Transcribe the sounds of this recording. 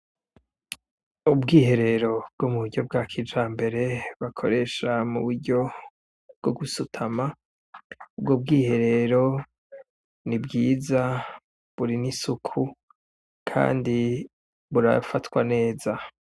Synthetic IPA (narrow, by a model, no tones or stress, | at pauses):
ubɡiːɦe̞ɾe̞ɾo̞b̚ɡ̥omuβuɾɟo̞b̚ɡaːkʰid͡ʒaːmbe̞ɾe̞βakʰo̞̰ɾe̞ʃamuβuɾɟo̞ | b̥̚ɡ̥oɡusutʰama | ub̚ɡob̚ɡiːhe̞ɾe̞ɾo̞ | nibɡiːza | βuɾinisukʰu | kʰa̰ːndi | βuɾa̰fatwane̞ːza